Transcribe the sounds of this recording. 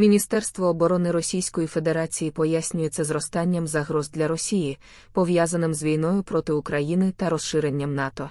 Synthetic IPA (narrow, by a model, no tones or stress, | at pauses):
mʲinʲist̪ɛrst̪ʋɔːbɔɾɔnɪɾɔsʲijsʲkɔjife̞d̪e̞ɾat͡sʲijipɔjasʲnʲʊjɛt̪sɛzɾɔst̪ɑnʲːɐmzɐɦɾɔzd̪lʲɐɾɔsʲiji | pɔʋjazɐnɪmzʋʲijnɔjʊpɾɔt̪ɪʊkɾɐjinɪt̪ɐɾɔsʃɪɾenʲːɐmnɑt̪ɔ